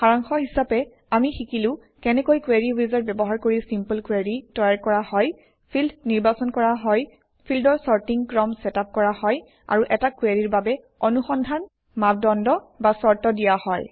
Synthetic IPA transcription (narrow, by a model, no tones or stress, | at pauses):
xaɹaŋxɔɦisapɛ | amixikilʊ̃ | kɛnɛkojkweɹiwizɔtbɛbɔɦaɹkoɹisimpəlkweɹitɔjaɹkɔɹahɔj | pʰildniɹbasɔnkɔɹaɦɔj | pʰildɔɹsɔɹtiŋkɹɔmsɛtap̚kɔɹahɔj | a̰ɹuʔɛtakweɹiɹbabɛ | ɔnuxɔndʱan | map̚dɔndɔbasɔɹtɔdijahɔj